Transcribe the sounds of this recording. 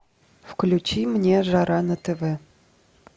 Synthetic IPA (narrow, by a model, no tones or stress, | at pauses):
fklʲut͡ɕimnʲeʒɑɾʔɑnət̪əvɛ